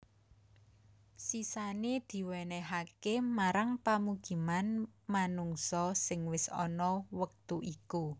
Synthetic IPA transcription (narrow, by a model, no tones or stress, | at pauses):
sisaned̪̥i̤wɛnɛɦakemaɾaŋpamuɡ̥i̤manmanuŋsɔsɪŋwɪsɔ̰nɔwək̚t̪uʔiku